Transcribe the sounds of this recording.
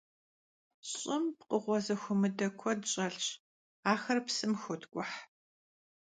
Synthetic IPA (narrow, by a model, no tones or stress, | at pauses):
ɕʼɪmpqəʁʷɔzɐxʷʊmɨdɐkʷʰɔdɕʼɐɬt͡ʃ | aːxɐrpsɨmxʷʊtʰkʷʼʊħ